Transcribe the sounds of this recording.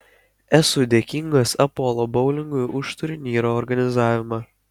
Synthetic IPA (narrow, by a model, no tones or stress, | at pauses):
ɛsʊd̪ʲeːkʲiŋɡɐsɐpɔːlˠoːbɒʊlʲɪŋɡʊjʔʊʃt̪ʊɾʲɪnʲiːɾoːɔɾɡɐnʲɪzɑːʋʲɪmɐ